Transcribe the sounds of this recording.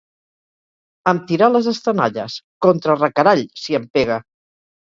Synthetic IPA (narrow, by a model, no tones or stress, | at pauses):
əmt̪iɾaləzəst̪ənaʎəskɔnt̪ɾərəkəɾaʎsiəmpeɣ̞ə